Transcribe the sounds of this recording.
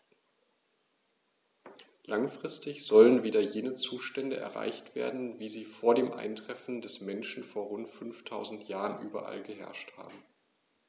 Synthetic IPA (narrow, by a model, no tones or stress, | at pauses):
laŋfʁ̥ɪstɪçz̥ɔlənviːdɐjeːnət͡suːʃtɛndəʔɛ̰ɐʁa̰ɪçtv̥ḛːɐdn̩viːziːfoːɐdeːmʔa̰ɪntʁ̥ɛfn̩dɛsmɛnʃn̩foːɐʁʊntfʏnftʰaʊzn̩tʰjaːʁənʔyːbɐ̰ʔa̰lɡəɦɛ̰ɐʃtha̰ːbm̩